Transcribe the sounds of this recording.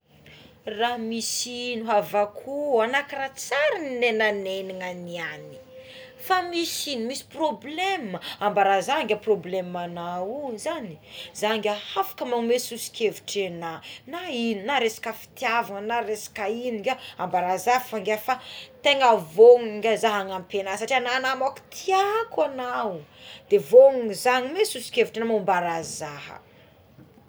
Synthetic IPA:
ramisinuɦavakʰuanakirat͡saɾininenaneniŋaniani̥ | famisinimisi̥probleməambaɾazaŋɡʲaproblemanauzanizaŋɡʲahafḁkəmamesusi̥kʰʲevuʈ͡ʂenanaininaɾesḁkəfi̥t̪javanənaɾesḁkainiɡʲaambaɾazafaŋɡʲafat̪eŋavoŋŋɡʲazaɦaŋampenasaʈ͡ʂiananamaku̥t̪ʰiakwanawd̪̥evoŋizaŋimesusi̥kʲevuʈ͡ʂenamambaɾazaɦə̰

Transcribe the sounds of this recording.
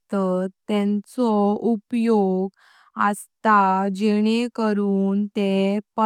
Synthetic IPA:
t̪əɛ̃nt͡sɔupjoɡ | ast̪ad͡ʑeɽ̃ekəɾuːnt̪epə

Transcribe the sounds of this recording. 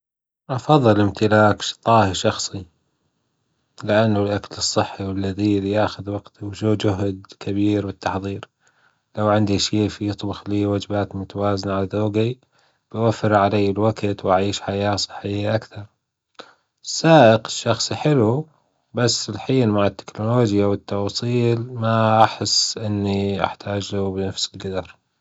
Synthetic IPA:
ʔɑfɑðˤːɨlɪmt̪ɪlaːkʃt̪ˤɑːhiʃɑxsˤi | lɪʔanːalʔaklɨsˤːɨħːiwɪlːaðiːljaːxʊðwɑɡt̪wʃuːd͡ʒʊɦd̪kabiːɾwɪt̪ːɑħðˤiːɾ | lawʕɪnd̪iʃiːfijɨt̪ˤbʊxliːwad͡ʒbaːt̪mʊt̪awaːzɪnaʕalaðoːɡi | b̥ɪwafːɪɾʕalajːɪlwaɡt̪wʔaʕiːʃħajaːsˤɨ̥ħːɪjːaʔakθɑɾˤ | sːaːʔɪqɪʃːɑxsˤħɪlu | basːɪlħiːnmaʕɪt̪ːɪ̥knʊloːd͡ʒjawɪt̪ːɑwɑːsˤiːlmaʔaħɪsːʔɪnːiʔa̰ħt̪ʰaːd͡ʒlabɪnafsɪlɡad̪ɑɾˤ

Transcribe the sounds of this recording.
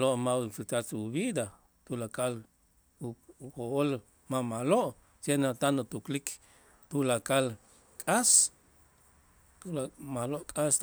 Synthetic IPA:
loʔmaifit̪at͡suβid̪a | t̪ulakal | xoʔol | mamaloʔ | senat̪anot̪uklik | t̪ulakal | kʼas | t̪ulamaloʔkʼas

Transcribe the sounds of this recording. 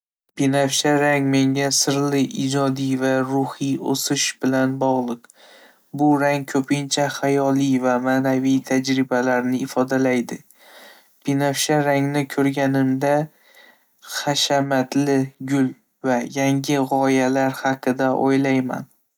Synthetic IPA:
pinafʃaɾaŋme̞ŋʲasɪɾlɪʔɪd͡ʒɒd̪ivaɾʊhio̰sɪʃbɪlanbɒʁlˠɨq | bʊɾaŋkʰɵpʰɪnt͡ʃʰaχajɒlijvamaːnavijt̪ʰad͡ʒɾɪbalaɾnɪɪfɒd̪alajd̪ɪ | pʰinafʃaɾaŋnɪkʲʰɵɾɡʲanɪmd̪a | χaʃamat̪lɪɡʲʊl | vajaŋɡʲɪʁɒjalaɾhɑqʰɨd̪aʔo̰jlajma̰n

